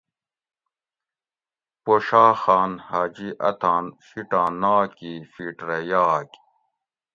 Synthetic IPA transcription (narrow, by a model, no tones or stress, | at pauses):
poʃaːxaːnhaːd͡ʑiʔɐt̪ʰaːnfiʈãːnaːkifiʈɾɐjaːk